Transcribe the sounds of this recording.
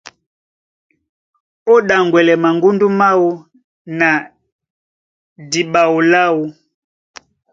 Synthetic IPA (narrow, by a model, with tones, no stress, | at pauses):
ɔ˦ɗa˨ŋɡwɛ˨lɛ˨ma˨ŋɡu˦ndu˦ma˦wu˦ | na˨ | di˨ɓa˨wu˨la˦wu˨